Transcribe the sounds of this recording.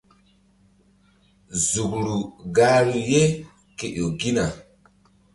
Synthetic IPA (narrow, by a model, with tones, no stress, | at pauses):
zu˨klu˨ɡa˦ɾu˨je˦ | ke˨ʔo˨ɡi˦na˨